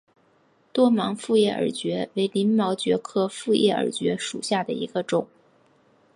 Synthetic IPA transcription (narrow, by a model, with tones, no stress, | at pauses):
t̪wɔ˥mɑ˧˥ŋfu˥˧jɛ˥˩ʔə̰˞˨˩t͡ɕɥɛ˧˥we˧˥ɪli˧˥nmɑ˧˥ʊt͡ɕɥɛ˧˥kʰɤ˥fu˥˧jʔɛ̰˥˩ə̰˞˨˩t͡ɕɥɛ˧˥ʂṵ˨˩ɕja˥˩d̪ə̰˩ḭ˧˥ɡ̥ə˧ʈ͡ʂʊ˨˩˦ŋ